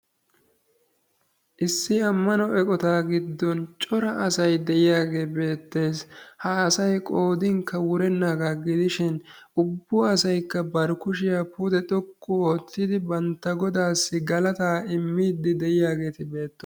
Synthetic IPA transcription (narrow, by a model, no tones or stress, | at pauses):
ʔɪsːɪɐmːɐnɔɛkʼɔt̪aːɡɪd̪ːɔnt͡ʃʼɔɾɐʔɐsɐjd̪ɛʔɪjaːɡe̞ːbe̞ːt̪ːe̞ːshɐːsɐjkʼo̞ːd̪ɪŋkʰːɐwʊɾɛnːaɡaːɡɪd̪ɪʃɪn | ʊbːʊɐsɐjkːɐbɐɾkʊʃɪjapud̪ɛt̪ʼɔkʼːʊo̞ːt̪ːɪd̪ɪbɐnt̪ːɐɡɔd̪aːsːɪɡɐlɐt̪aːɪmːiːd̪ːɪd̪ɛʔɪjaːɡe̞ːt̪ɪbe̞ːt̪ːɔ